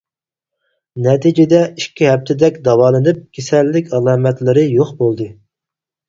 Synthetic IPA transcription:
nɛt̪ʰid͡ʒɪd̪ɛikʲʰːiɦɛp̚t̪ʰɪd̪ɛkʲd̪ɑwɑːlˠɨnɨp̚kʲʰesɛlːɪkʲɑlˠɑːmɛt̪lɪɾɪjoχbolˠd̪ɨ

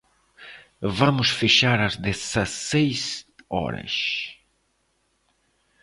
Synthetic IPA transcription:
vɐ̃mʊsfeʃaɾɐzd̪esɐsejsɔ̰ɾɐ̰s

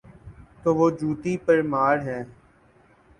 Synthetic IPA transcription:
t̪oːʋoːd͡ʒuːt̪iːpəɾmaːɽɦɛ̃ː

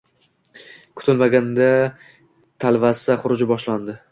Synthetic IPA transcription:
kʰʊ̥t̪ʰɪlmaɡʲand̪a | t̪ʰalvasaχʊɾʊd͡ʒɪbɒʃland̪ɪ

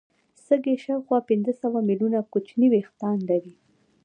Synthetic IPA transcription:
səɡeʃɑwxwɑpɪnzəsawamilunakut͡ʃniwext̪ɑnd̪awi

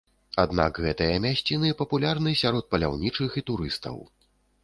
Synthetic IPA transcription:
ad̪na̰kɣɛt̪ɐɨjɐmʲasʲt͡sʲinɨpɐpulʲarnɨsʲaɾɔt̪̚pɐlʲa̰wnʲit͡ʂɨxit̪uɾɨst̪ɐ̰w

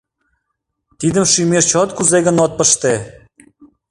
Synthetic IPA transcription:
t̪id̪əmʃymert͡ɕot̪kuzeɣə̆not̪̚pəʃt̪e

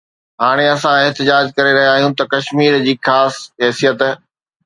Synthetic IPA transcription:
ɦaːɽ̃eɐsãɪɦt̪ɪd͡ʑaːd͡ʑkɐɾeɾɐɦijaːɦijũt̪ɐkɐʃmiːɾd͡ʑiːxaːsɦɛːsijət̪

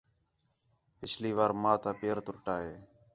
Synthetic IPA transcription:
pɪt͡ʃʰliːʋaːɾmãːt̪aːpeːɾt̪ʊɾʈaːɦeː

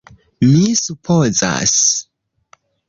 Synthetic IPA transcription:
misupʰoza̰s

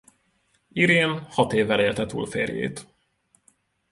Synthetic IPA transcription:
iɾjeːnhɒt̪eːvːɛleːlt̪ɛt̪ṵːlfḛːrjḛːt̪

